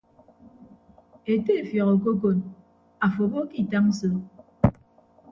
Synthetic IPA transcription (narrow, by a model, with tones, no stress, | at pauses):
e˨te˦˨fjɔ˨ɣo˨k̬o˦k̬o˦˨n | a˨fo˨bo˦ki˦˨ta˦ŋ̩˦so˦